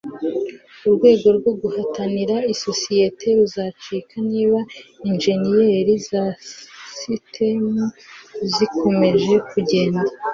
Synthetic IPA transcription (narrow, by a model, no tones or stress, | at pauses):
uɾɡwe̞ːɡo̞ɾɡwo̞ɡuhataniɾaiso̞sije̞tʰe̞ɾuzaːt͡ʃiːkʰaniːβainʒe̞nijeɾizasistʰemuzikʰo̞me̞ʒe̞kuɟe̞ːnda